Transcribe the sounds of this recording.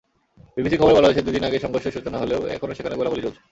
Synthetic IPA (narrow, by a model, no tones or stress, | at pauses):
bibisikʰɔboɾbɔlaoet͡ɕʰed̪ud̪inaɡeʃɔŋɡoʃːeʃut͡ɕonaɦoleoɛ̰kʰonoʃekʰaneɡolaolit͡ɕolt͡ɕʰe̥